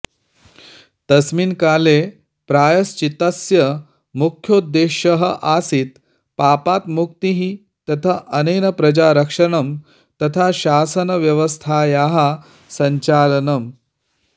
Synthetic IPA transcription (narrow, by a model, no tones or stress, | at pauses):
t̪ɐsmiːnkaːle | pɾaːjɐst͡ʃit̪ɐsjɐ | mukʰjoːd̪ːeːɕɐɦəʔasit̪ | paːpaːt̪mukt̪iɦi | t̪ɐt̪ʰəʔɐneːnɐpɾɐd͡ʑaɾɐkʂɐɳɐm | t̪ɐt̪ʰaɕaːsɐnɐʋjɐʋəst̪ʰajaːɦa | sɐɲt͡ʃaːlɐnɐm